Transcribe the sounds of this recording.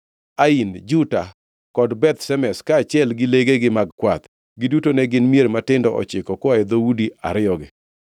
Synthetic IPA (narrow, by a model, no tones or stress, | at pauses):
aind͡ʒuta | kɔdbɛt̪sɛmɛskaːt͡ʃɪɛlɡɪleɡeɡɪmaɡkwat̪ | ɡɪdutonɛɡɪnmijeɾmatɪndɔʔɔ̰t͡ʃɪkɔkwaɛd̪owudia̰ɾɪɔɡɪ